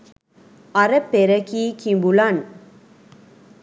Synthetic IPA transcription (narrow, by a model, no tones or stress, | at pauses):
ɐɾɐpːeɾɐkiːkimbulaːn